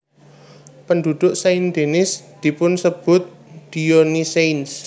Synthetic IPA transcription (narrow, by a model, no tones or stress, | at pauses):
pənd̪ud̪̥ʊʔsaind̪̥enɪsd̪̥i̤pʊnsəb̥ʊt̪̚ | d̪̥ioniseins